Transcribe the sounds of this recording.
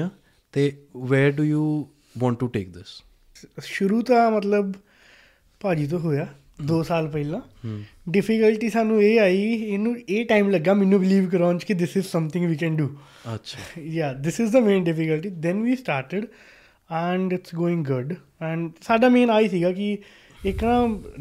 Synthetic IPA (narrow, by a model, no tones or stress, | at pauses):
a | t̪eːʋɛːɾɖuːjuː | ʋɔ̃ːɳʈːuʈeːk̚d̪ɪs | ʃʊɾuːt̪ãːmət̪̬ləb | paːd͡ʒiːt̪̬õːɦoːjaː | d̪oːsaːlpɛɪlãː | ɖɪfɪkəlʈiːsaːnũːeːaːiɪnũːeːʈaːɪmləɡːaːmɛ̃nːũːbɪliːʋk̬əɾõːnt͡ʃkid̪ɪsɪzsɐ̃mt̪ʰɪ̃ŋɡʋiːkɛ̃ːnɖuː | ɐʃʰajaːd̪ɪsɪzd̪əmẽːnɖɪfɪkəlʈiːd̪ɛnʋiːsʈaːɾʈəɖ | ɛɳɖɪʈsɡoːɪ̃ŋɡʊɖ | ɛ̃ɳɖsaːɖaːmẽːnaːiːsiːɡaːkɪ | ɪknãː